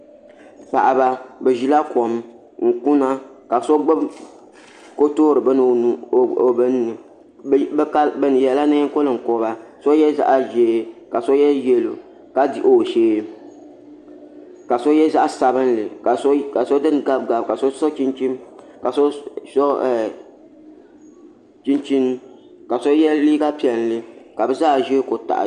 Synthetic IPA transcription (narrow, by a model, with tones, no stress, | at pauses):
pa̰˨ʔa˨ba˦bɛ˨ʒi˦la˦kʰo˨m | ŋ̩˨ku˦na˦ka˨so˦ɡ͡bɨ˦b | ko˦toː˦ɾɨ˨bɨ˦n˨o˨bɨ˦n˦nɨ˨ | bka˦bɨ˦n˨jɛ˨la˦nɨ˦ko˦lɨ˨ŋ̩˨ko˨ba˨so˦jɛ˦za̰˦ʔa˦ʒeː˨ka˨so˦jɛ˦jɛ˦lo̰˨ | ka˦di˦ʔo˨ʒeː˦ | ka˨so˦jɛ˦za˦ʔa˦sa˨bɨ˦nlɨ˨ka˨ska˨so˦dɨ˦n˨ɡa˦b̚ɡa˨bka˨so˦sɔ˦t͡ʃi˦nt͡ʃi˦mka˨so˦sɔ˦˨ | t͡ʃi˦nt͡ʃi˦n˦ | ka˨so˦jɛ˦liː˦ɡa˦pi˨ɛ˨n˦lɨ˦ka˨bɛ˦zaː˦˨ʒeː˦ko˨ta̰˨ʔ